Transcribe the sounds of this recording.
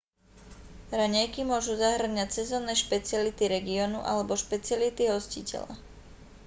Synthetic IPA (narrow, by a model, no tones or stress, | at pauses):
ɾaɲɛjkimʊɔʒuzaɦr̩ɲacsɛzɔːnːɛʃpɛt͡sɪalit̪iɾɛɡiɔnuʔa̰lɛbɔʃpɛt͡sɪalit̪iɦɔscicɛ̰la̰